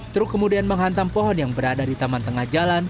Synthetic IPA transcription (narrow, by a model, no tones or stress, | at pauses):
t̪ɾukəmudianməŋɦant̪aŋpɔɦɔnjaŋbəɾadadit̪amant̪əŋahd͡ʒalan